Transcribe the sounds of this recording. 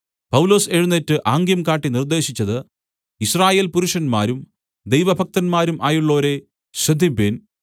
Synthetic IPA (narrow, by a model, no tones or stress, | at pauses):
pɐwlo̞ːse̞ɻunːetːɨʔaːŋɡjɐmkaːʈːinird̪e̞ːɕit͡ɕːɐðɨ | iɕraːje̞ːlpuɾuʂɐnmaːɾum | d̪ejʋɐbʱɐk̚t̪ɐnmaːɾumʔaːjuɭːo̞ːɾe̞ | ɕrɐd̪ʱːiben